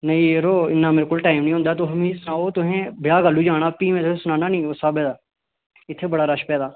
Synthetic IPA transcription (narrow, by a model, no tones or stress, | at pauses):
nəĩeɾoːɪ̰nːaːmeɾkʊlʈaːɪmnĩːõːnd̪aːt̪̬oːɦəmĩːsʊnaːoːt̪ʊɦẽːbɪjaːɡəlːuːd͡ʒaːɽaːpiːmẽːt̪ʊesʊnaːnaːnĩːosaːbɛːd̪aː | ɪt̪ʰːebəɽaːɾəʃpɛːd̪aː